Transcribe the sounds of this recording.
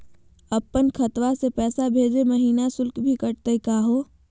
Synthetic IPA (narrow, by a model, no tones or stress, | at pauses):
ɐpːənkʰɐt̪wasepɛːsabʱeːd͡ʒeməɦiːnasʊlkbʱikɐʈ̚t̪ekaːɦoː